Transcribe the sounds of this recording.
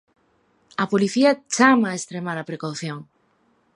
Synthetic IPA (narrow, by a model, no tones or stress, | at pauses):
ɐpoliθiɐt͡ʃamaːest̪ɾemaɾɐpɾekawθjoŋ